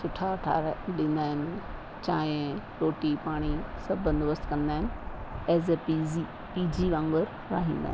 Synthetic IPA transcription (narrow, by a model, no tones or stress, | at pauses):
sʊʈʰaɐʈʰa̰ːɾɗɪ̃nd̪aːɦɪnɪ | t͡ɕaːɪ̃ɾoːʈipaːɽ̃isɐbʱənd̪ʊʋəst̪kɐ̃nd̪aːɦɪnɪeːzepii | piːd͡ʑiʋãŋɡəɾ | ɾa̰ːɦĩːnd̪a̰ːɦɪn